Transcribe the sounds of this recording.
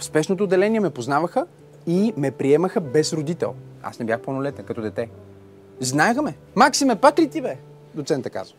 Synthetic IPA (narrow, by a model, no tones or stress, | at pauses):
fspɛʃnot̪oːd̪ːɛlɛnʲiɛmɛpoznavəxə | imɛpɾiɛməxəbɛsɾod̪it̪ɛ̰lˠa̰snɛbjaxponolɛt̪əkɐt̪ɔd̪ɛt̪ɛ | znaɛxmɛ | maksimɛpakɾit̪ibɛ | d̪ot̪sɛnt̪əka̰zvə